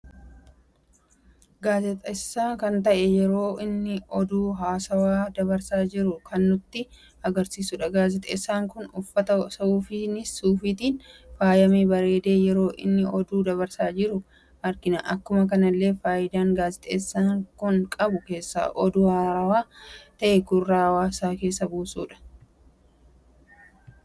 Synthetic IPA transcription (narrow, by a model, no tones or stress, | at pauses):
ɡaːzɛt̪ʼɐɪsːaːkɐnt̪ɐʔɛjɛɾo̞ːɪnːɪɔd̪uːɦaːsɐwaːd̪ɐβɐɾsaːd͡ʒɪɾʊkʰɐnːʊt̪ːɪ | ɐɡɐɾsiːsʊᶑɐɡaːzɛt̪ʼḛːsːaːŋkʊnʊfːɐt̪ɐsɐuːfɪnɪsːuːfɪt̪iːnfaːjɐmiːbɐɾe̞ːd̪e̞ːjɛɾo̞ːʔɪ̰nːɪʔɔd̪uːd̪ɐβɐɾsaːd͡ʒɪɾʊ | ʔɐɾkɪnɐʔɐkːʊmɐkɐnɐlːe̞ːfaːjɪd̪aːŋɡaːzɪt̪ʼeːsːaːŋkʊŋkʼɐbʊke̞ːsːa̰ːʔɔd̪uːhaɐwaːt̪ɐʔɛɡʊrːaːwaːsaːke̞ːsːɐbuːsṵːᶑɐ̥